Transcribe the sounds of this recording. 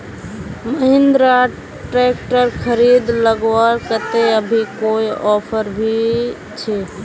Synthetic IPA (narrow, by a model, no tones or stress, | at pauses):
məɦɪ̃nd̪ɾa | ʈɾeːkʈəɾkʰəɾiːd̪ləɡwaɾkət̪eəbʱikoiɔːpʰəɾbʱi | t͡ʃʰeː